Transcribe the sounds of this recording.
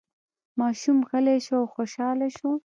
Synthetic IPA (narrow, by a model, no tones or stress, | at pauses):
mɑʃumxəleʃoawxoʃɑleʃo